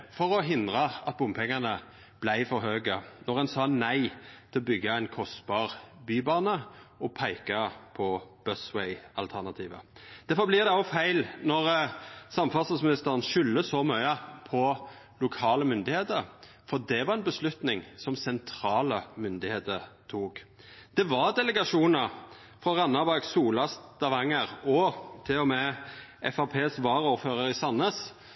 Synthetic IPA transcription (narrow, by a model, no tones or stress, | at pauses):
fɔɾɔɦɪnd̪ʁɑɑt̪̚bʊmpʰɛŋːənə | b̥læɪfɔɾɦøːɡənɔʁɛnsɑːnæɪt̪ʰɪlɔbʏɡːɑæɪnkʰɔst̪bɑːʁbyːbɑːnəɔpʰæɪkɑpʰɔb̥œswɛɪɑlt̪ʰæʁnɑt̪ʰiːʋə̰d̪̥æʁfɔʁblɪʁd̪ɛofæɪlnɔʁsɑmfɑsɑsmɪnɪst̪əʁənʃʏlːəsɔmœʏəpʰɔ | lʊkʰɑːləmʏnd̪ɪheːt̪əɾ | fɔd̪ɛʋɑʁɛnbəslʉt̪nɪŋsɔmsɛnt̪ʰɾɑːləmʏnd̪ɪheːt̪əɾt̪ʰuːk | d̪̥ɛʋɑʁd̪ɛləɡɑʂuːnəɾ | fʁɑʁɑnːɑbɑɡsuːlɑst̪ɑʋɑŋːəɾɔt̪ʰɪlɔmɛʔɛfɑpʰeːsʋɑːɾuːɾføːʁəɾɪsɑnəs